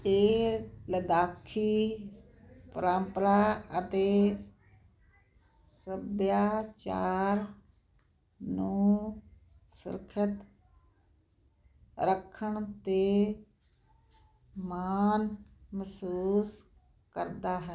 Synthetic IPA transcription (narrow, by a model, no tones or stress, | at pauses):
eːləd̪aːkʰiː | pɾãːmpəɾaːət̪eː | səbjaːt͡ʃaːɾ | nũː | sʊ̰ɾkʰət̪ | ɾəkʰːəɳt̪eː | maːnməsuːs | kəɾd̪aːɦɛ